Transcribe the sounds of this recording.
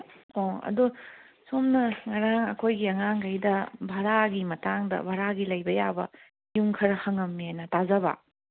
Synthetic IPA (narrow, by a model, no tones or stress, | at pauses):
oɐ̰du | somnɐŋɐɾaŋɐ̰kʰojɡiɐŋaŋkɐjdɐbʱɐɾaɡimɐtaŋdɐ̰bʱaɾaɡilɐjbɐja̰bɐ̰ | juŋkʰɐɾɐhɐŋɐmːiajnɐtazɐbɐ̰